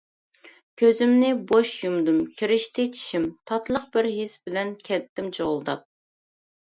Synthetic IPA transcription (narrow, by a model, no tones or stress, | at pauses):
kʲʰøzɪmnɪboʃjumd̪umkʲʰiɾɪʃt̪ʰɪt͡ʃʰi̥ʃimt̪ʰɑt̪ʰlˠəqbɪɾɦisbɪlɛnkʲʰɛlt̪ːɪmt͡ʃʰoʁlˠd̪ɑ̰p̚